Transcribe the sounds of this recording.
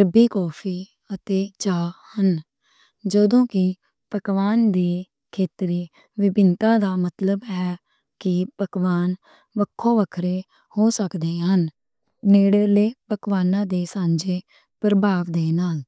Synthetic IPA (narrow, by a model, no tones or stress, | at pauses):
ɾəbiːkɔːpʰiː | ət̪eːt͡ʃaːhən | d͡ʒəd̪õːkɪ | pəkʋaːnd̪iː | kʰeːt̪ɾiː | ʋɪbɪnt̪ãːd̪aːmət̪ləbɦɛː | kɪpəkʋaːn | ʋəkʰːõːʋəkʰɾeː | hoːsəkd̪eːɦən | neːɽəleːpəkʋaːnãːd̪eːsãːɲd͡ʒeː | pɾəbʱaːʋd̪eːnaːl